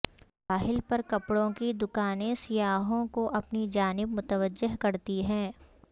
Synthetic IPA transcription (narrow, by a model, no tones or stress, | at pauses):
paːɦɪlpɐɾkɐpɽõkid̪ʊkaːnẽsɪjaːɦõkoʔɐpnid͡ʒaːnɪb̚mʊt̪əʋəd͡ʒːɪɦkɐɾt̪iɦɛ̃ː